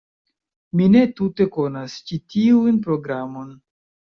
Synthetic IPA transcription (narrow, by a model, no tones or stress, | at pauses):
mine̞tute̞ko̞nast͡ʃitiunpɾo̞ɡɾamo̞n